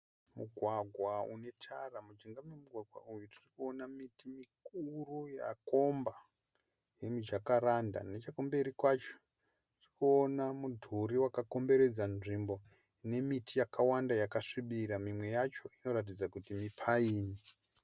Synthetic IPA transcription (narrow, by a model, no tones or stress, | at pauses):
muɡʱwaɡʱwaune̞tʰaramud͡ʒiŋɡamemuɡʱwaɡʱwa̰ujutirikuonamitimikuruja̰ko̞mba | je̞mid͡ʒakaɾanda̰net͡ʃakombe̞ɾikwat͡ʃo̥ | trikuonamudʱuɾiwakako̞mbe̞ɾe̞d͡zanʐimbo̞ | ne̞mitʰijakawandajakaʂiɓiɾamimwe̞jat͡ʃo̞ino̞ɾat̬id͡zakutimipʰaiːni